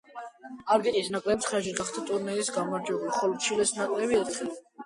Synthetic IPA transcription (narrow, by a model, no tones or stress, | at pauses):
aɾɡit̪ʼisnakʼlɛbsχɾaʃiɡaχd̪ʰat̪ʼuɾnɛisɡamaɾd͡ʒɛbuliχɔlɔt͡ʃʰilɛsnakʼlɛbiɛɾt̪ʰχɛl